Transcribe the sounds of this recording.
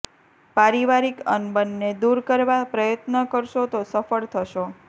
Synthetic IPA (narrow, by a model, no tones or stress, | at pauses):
paɾiʋaɾikə̰nbənːed̪uɾkəɾʋapɾəjət̪nəkəɾʃot̪osəfəɭt̪ʰəʃo